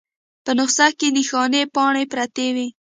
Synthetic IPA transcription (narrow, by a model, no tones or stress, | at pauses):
pənʊqsakenixɑnepɑɳepɾat̪ewi